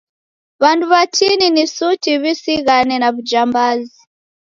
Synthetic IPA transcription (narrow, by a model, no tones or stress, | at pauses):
βanduβatininisutiβisiɣanɛnaβud͡ʒambazi